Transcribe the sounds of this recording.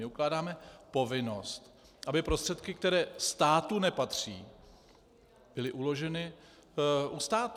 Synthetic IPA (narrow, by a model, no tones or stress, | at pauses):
ɪuklaːdaːmɛpo̞vɪno̞st̪ | ʔabɪpɾst̪r̥ɛt̪kɪk̚t̪ɛɾɛːst̪aːt̪unɛpat̪r̝̥ḭː | b̥ɪlɪʔulo̞ʒɛnɪ | ʔust̪aːt̪